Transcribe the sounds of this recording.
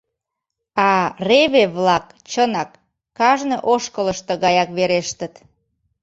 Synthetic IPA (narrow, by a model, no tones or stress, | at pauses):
ɑreβeβlɑk | t͡ɕənɑkː | ɑʒneʔoʃkələʃt̪əɣɑjɑkβeɾeʃt̪ət̪